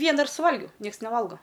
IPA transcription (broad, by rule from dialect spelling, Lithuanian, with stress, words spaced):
ˈʋʲiɛnɐ ɪr sʊˈʋɐlʲɡʲɛʊ ˈnʲiɛks nʲɛˈʋɐlˠɡoː